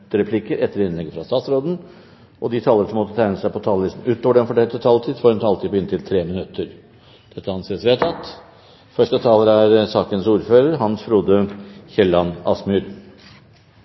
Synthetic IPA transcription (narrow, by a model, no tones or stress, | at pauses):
əɾɛpʰlɪkːəɾɛt̪ːəɾɪnlɛɡəfɾɑst̪ɑːt̪sɾoːd̪n̩ | ʔɔd̪ɪt̪ʰɑːləɾəʂɔmːɔt̪ːət̪ʰæɪnəsæɪpʰɔt̪ʰɑːləlɪst̪n̩ʉːt̪oːʋəɖɛnfɔʈʰɛlt̪ət̪ʰɑlt̪ʰiːd̪fɔɾmt̪ʰɑlt̪ʰiːpʰɔɪnt̪ʰɪlt̪ʰɾeːmɪnʉt̪ːəɾ | d̪̥ɛt̪ːəɑnseːəsʋɪɑt̪ʰɑt̪ː | fœʂʈət̪ʰɑːləɾæɾsɑːkənsuːɾføːɾəɾɦɑnsfɾuːd̪əçɛlːɑnɑ̰smʉːɾ